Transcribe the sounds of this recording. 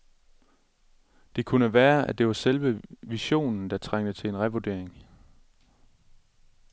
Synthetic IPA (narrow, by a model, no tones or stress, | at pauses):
d̥e̝kʰunəʋæːɐʔæd̥e̝ʋɑ̈selʋəʋiɕo̝̰ːnn̩d̥ɑ̈t͡sʰʁaŋ̰d̥ət͡sʰe̝lenʁɛʋoɐd̥e̝ɐ̰eŋ